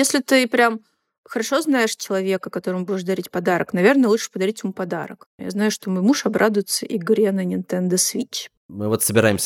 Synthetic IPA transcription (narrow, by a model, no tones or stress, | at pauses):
jesʲlʲɪt̪ɨpɾʲam | xəɾɐʂo̞znajɪʂt͡ɕɪlˠɐvʲekəkɐt̪o̞ɾəmʊbudʲɪʂd̪ɐɾʲitʲpɐd̪aɾəknɐvʲe̞rnəjəlˠuʂɨ̥pəd̪ɐɾʲitʲmupɐd̪a̰ɾə̰kja̰znajʊʂt̪o̞mojmuʂɐbɾʔad̪ʊjɪt̪səʔiɡɾʲenənʲɪnt̪ɛnd̪əsvʲit͡ɕ | mɨvot̪səbʲɪɾajɪmsʲə